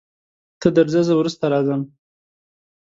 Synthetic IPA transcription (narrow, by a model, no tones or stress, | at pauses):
t̪ʰəd̪əɾzəzawɾust̪aɾɑzəm